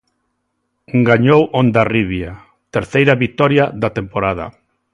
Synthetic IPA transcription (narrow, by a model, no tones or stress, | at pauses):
ɡaɲowʔond̪ariβja | t̪eɾθejɾaβit̪ɔɾjaðat̪empoɾaða̰